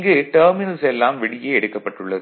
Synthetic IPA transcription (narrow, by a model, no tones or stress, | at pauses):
ŋɡeʈɐːɾmɪnɐnsɛlːaːmʋɪɽɪjeːɛɽɯkːɐpːɐʈːɯɭːɐðɯ